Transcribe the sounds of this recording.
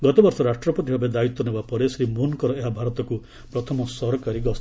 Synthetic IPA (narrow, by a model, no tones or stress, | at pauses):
ɡɔt̪ɔbɔɾsɔɾaʃʈɾɔpɔt̪iɦɔbed̪ait̪ːɔnubapɔɾesɾimunkɔɾɔeɦabʱaɾɔt̪ɔku | pɾɔt̪ʰɔmɔsɔɾɔkaɾiɡɔs